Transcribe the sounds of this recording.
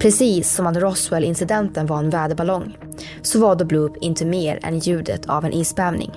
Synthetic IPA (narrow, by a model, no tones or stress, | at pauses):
pʰɾɛsiːsːɔmat̪ɾɔswɛlɪnsɪd̪ɛnt̪ənvaɾɛnvæːɖ̪əbalɔŋː | sɔvaːɖ̪ɔbluːpʰɪnt̪ʰəmeːɾɛ̰njʉ̟ːd̪ə̰t̪ʰa̰vɛnʔiːsbæːvnɪ̰ŋ